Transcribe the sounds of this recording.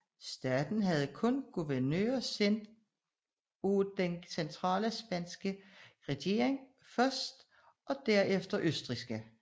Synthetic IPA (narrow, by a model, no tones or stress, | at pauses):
sd̥æːd̥n̩ɦæð̞ˠkʰɔ̽nɡ̥uʋæɐnø̰ːɐsen̰d̥ | od̥ensent͡sʰʁɑ̰̈ːləsb̥æn̰sɡ̥əʁɛɡ̥e̝̰ɐeŋ | fɶɐsd̥ | ʔɒ̽d̥æɐefd̥ɐʔøsd̥ʁisɡ̥ə